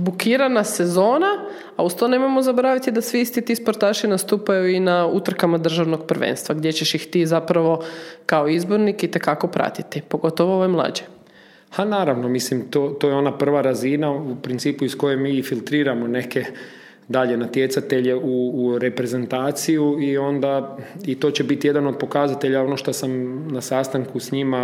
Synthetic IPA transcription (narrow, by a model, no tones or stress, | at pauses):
bukiːɾanase̞zo̞ːna | aust̪one̞mo̞jmozaboɾaʋit̪id̪asʋiist̪it̪ispo̞ɾt̪aːʃinast̪uːpajuinaut̪r̩kamad̪r̩ʒaʋno̞ɡpr̩ʋḛnst̪ʋaɡd̪je̞t͡ɕeʃjixt̪iːzapɾaʋo̞kaoizbo̞ɾnikit̪e̞kako̞pɾa̰t̪it̪ipo̞ɡo̞t̪oʋooʋajmlˠa̰d͡ʑe | hanaːɾaʋnomislimt̪oːt̪ojeo̞napr̩ʋaɾazinaupɾint̪siːpuisko̞jemiːfilt̪ɾiːɾamo̞ne̞ke̞ | d̪aʎe̞nat̪je̞t̪sat̪eʎe̞uɾe̞pɾe̞ze̞nt̪aːt̪sijuio̞nd̪ait̪o̞t͡ɕebit̪ije̞d̪ano̞d̪̚po̞kazat̪e̞ʎao̞noʃt̪osamnasast̪aŋkusɲima